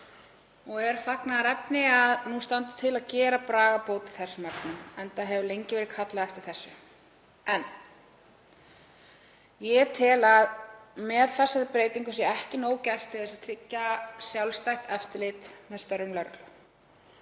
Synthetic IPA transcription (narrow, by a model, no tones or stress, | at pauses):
ɔɣɛɾ̥θaknaɾɛpnɪaðnust̪ant̪ʏ̥t̪ʰɪlaðcɛːɾapɾaːɣapoːwt̪ɪ̥θɛsːʏmaɾt̪nʏmɛnt̪aɦɛvʏlejɲcɪvɛɾɪðkʰat̪laðɛft̪ɪɾ̥θɛsːʏ | ɛn | jɛt̪ʰɪlaðmɛðθɛsːaɾɪpɾeːjt̪iŋkʏsjɛɛhcɪnoːwcɛr̥t̪ʰɪðɛsaðt̪ʰɾɪcːasjawlst̪ajht̪ɛft̪ɪlɪt̪mɛðst̪œɾːʏmlœɾk̪l̥